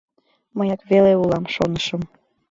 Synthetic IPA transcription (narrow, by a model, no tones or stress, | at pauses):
mɤjɑk̪βeleulˠɑmʃonəʃə̆m